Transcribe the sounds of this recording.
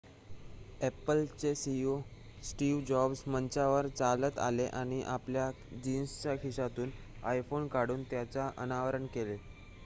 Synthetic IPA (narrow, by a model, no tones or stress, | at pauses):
epəlt͡sesio | sʈiʋd͡ʑɔbsmənt͡ɕaʋəɾt͡salət̪a̰leʔaɽ̃iʔaplja | d͡ʑinst͡ɕakʰiʂat̪uːn | ajfonkaɽuːnt̪jat͡saʔə̰naʋəɾəɳkele